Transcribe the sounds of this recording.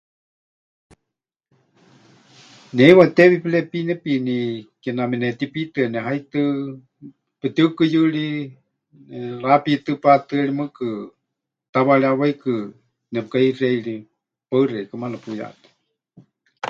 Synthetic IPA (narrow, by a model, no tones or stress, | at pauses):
nɛiwat̪eβipilɛpinɛpinikɛnamɛnɛt̪ipit̪ɨnɛɦait̪ɨ | pɛt̪ɨkɨjɨɺi | nɛlapit̪ɨpat̪ɨɛlimɨkɨ | t̪aβaɺiawaikɨ | nɛpɨkaireiɺi | paɨreikɨmalapuja̰t̪e̥